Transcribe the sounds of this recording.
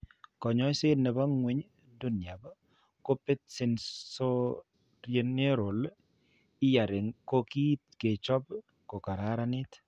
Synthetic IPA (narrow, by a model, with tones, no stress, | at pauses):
kɔ˨ɲɔ˦jsɪ˦nɛ˨ba˦ŋwe˦ɲ | du˦nja˨b | ko˦pɪ˦tsɪ˨nso˦ | ɾje˨˦ne˦ɾo˨l | ɪ˦ja˨ɾɪ˨ŋko˦ki˦t̪̚ke˨t͡ʃɔ˦b | ko˨ka˨ɾa˨˦ɾa˦nɪ˦t̪